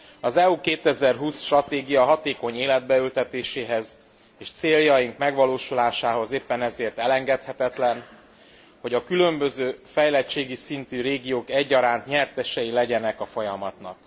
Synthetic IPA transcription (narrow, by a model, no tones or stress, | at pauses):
ɒzɛukeːt̪ɛzɛrɦuːsʃt̪rɒt̪eːɡijɒɦɒt̪eːko̞ɲeːlɛd̪̚bɛylt̪ɛt̪eːʃeːɦɛz | eːʃt̪seːljɒjiŋkmɛɡʋɒloːʃulaːʃaːɦo̞zeːpːɛnɛzeːrt̪ɛlɛŋɡɛt̪hɛt̪ɛt̪lɛn | ho̞ɟɒkylø̞mbø̞zøːfɛjlɛt͡ʃːeːɡisint̪yɾeːɡijoːkɛɟːɒɾaːnt̪ɲɛrt̪ɛʃɛjilɛɟɛnɛkɒfo̞jɒmɒt̪nɒ̰k̚